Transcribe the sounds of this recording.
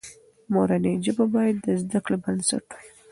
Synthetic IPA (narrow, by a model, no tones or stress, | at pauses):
moɾaned͡ʒababɑjad̪ːəzd̪aklebansa̰ʈwi